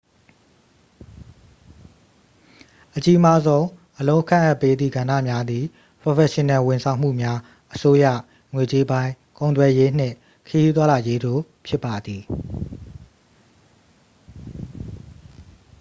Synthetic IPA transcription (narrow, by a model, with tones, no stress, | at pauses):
ʔət͡ɕi˦ʔma˦zõ˦ʊ̃ʔəlõ˦ʊ̃kʰã˦˨ʔa˦˨pːe˦d̪ðḭ˦˨ɡã˨ndä̰˦˨mja˦d̪ði˨ | pɹo˨fɛ˨ʃɪ̃˨nɛ̃˨wɪ̃˨nsʰã˨ʊ̃m̥ṵ˦˨mja˦ | ʔəso˦jä̰˦˨ | ŋwe˨t͡ɕe˦bã˦ɪ̃ | kõ˨ʊ̃t̪wɛ˨je˦n̥ɪ̰̃˦˨ | kʰəji˦t̪wa˦la˨je˦d̪o̰˦˨ | pʰjɪ˦pːa˨d̪i˨